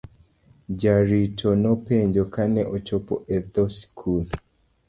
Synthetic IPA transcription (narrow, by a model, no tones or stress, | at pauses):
d͡ʒaɾitʰonɔpeɲd͡ʒokanɛʔɔt͡ʃɔpɔ̰ʔɛd̪ɔskʰul